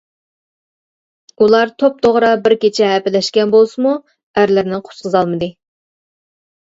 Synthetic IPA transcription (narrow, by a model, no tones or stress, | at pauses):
ulˠɑɾt̪ʰop̚t̪ʰoʁɾɑbɪɾkʲet͡ʃʰɛɦɛpɪlɛʃkʲɛnbolˠsɨmu | æɾlɪɾnɪqʰo̥sqəzɑlˠmɨd̪ɨ